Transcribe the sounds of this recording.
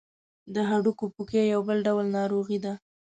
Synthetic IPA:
d̪əɦaɽukopukejawbəlɖawlnɑɾoɣid̪a

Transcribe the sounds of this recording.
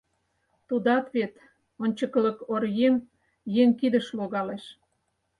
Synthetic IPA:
t̪ud̪ɑt̪βet̪ | onʲt͡ɕə̆klə̆korjem | jeŋkid̪əʃloɣɑleʃ

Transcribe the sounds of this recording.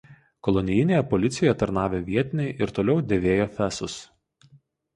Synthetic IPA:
kɔlˠɔnʲɪjɪnʲeːjɛpɔlʲɪt̪sʲɪjojɛt̪ɐɾnɑːʋʲeːʋʲiɛt̪ʲɪnʲɛɪʔɪɾt̪oːlʲɛʊd̪ʲeːʋʲeːjoːfʲæsʊs

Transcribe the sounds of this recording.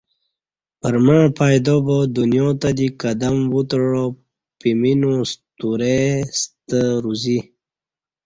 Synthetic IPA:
pəɾmaɻpʰaːjd̪obod̪unjõt̪ad̪ikad̪əmwut̪ɻo | piminõst̪uɾest̪əɾuzi

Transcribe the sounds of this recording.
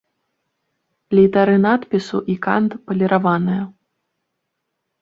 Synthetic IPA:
lʲit̪aɾɨnat̪pʲisuʔika̰nt̪pɐlʲɛɾʔavanɨjɐ

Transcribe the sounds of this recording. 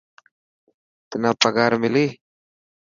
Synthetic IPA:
t̪inapaɡaɾmili

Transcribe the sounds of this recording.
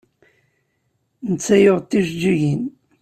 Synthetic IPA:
nət͡sːæjoʁt̪ːiʒd͡ʒːiʝin

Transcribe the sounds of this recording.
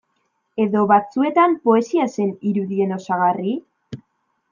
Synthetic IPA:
e̞ðo̞βat͡sue̞t̪ampo̞e̞siase̞niɾuðie̞no̞saɣ̞ari

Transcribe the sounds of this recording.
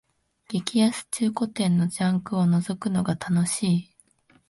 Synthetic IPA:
ɡ̥ʲikʲijasɨ̥t͡ɕɨːko̞t̪ẽ̞nːo̞d͡ʑãŋkɯ̟o̞no̞zo̞kɯ̟no̞ɡat̪ʰano̞ɕiː

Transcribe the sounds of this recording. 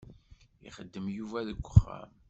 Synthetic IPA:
ḭχəd̪ːəmjuvæðəɡʷːəχːæ̰m

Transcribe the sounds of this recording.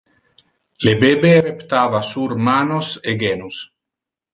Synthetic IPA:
lebebeɾept̪aːvasuɾmanoseɡenus

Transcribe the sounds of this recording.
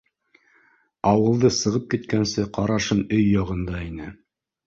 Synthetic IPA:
ɑwɤ̆lˠd̪ɤsɤ̆ʁɤp̚kit̪kænsɘqɑɾɑʃɤnɵjːɑʁɤ̆nd̪ɑinɘ

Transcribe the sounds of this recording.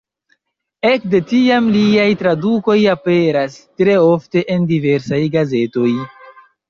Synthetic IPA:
e̞kde̞tiamliajtɾaduko̞jape̞ɾastɾe̞o̞fte̞ʔendive̞ɾsajɡaze̞to̞j

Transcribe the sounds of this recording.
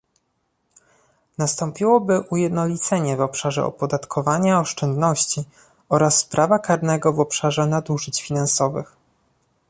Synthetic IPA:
nast̪ɔmpʲiwɔbɘʔujɛd̪nɔlʲit̪sɛɲɛvɔpʂaʐɛ̰ɔ̰pɔd̪at̪kʰɔvaɲaɔʂt͡ʂɛnd̪nɔɕt͡ɕi | ɔɾasːpɾʔavakaɾnɛɡɔvɔpʂaʐɛnad̪uʐɘt͡ɕfʲinansɔvɘ̰x

